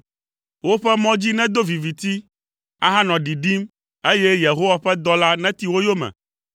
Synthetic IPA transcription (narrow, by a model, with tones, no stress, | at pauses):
wo˦ɸɛ˦mɔ̃˦d͡ʑi˦nɛ̃˦d̪o˦vi˨vi˨t̪i˦ | a˦ɦã˦nɔ̃˨ɖi˨ɖi˦m | e˦je˦je˨ɦo˦wa˦ɸɛ˦d̪ɔ˦la˦nɛ̃˦t̪i˨wo˦jo˦mɛ̰̃˨